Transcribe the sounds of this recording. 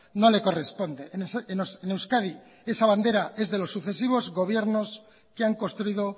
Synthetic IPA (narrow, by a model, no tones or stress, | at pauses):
no̞le̞ko̞re̞spo̞nd̪e̞nsensene̞wskaði | e̞saβand̪e̞ɾaʔe̞zðe̞lo̞sːuθe̞siβ̞o̞zɣo̞β̞je̞ɾno̞s | keaŋko̞st̪ɾuiðo̞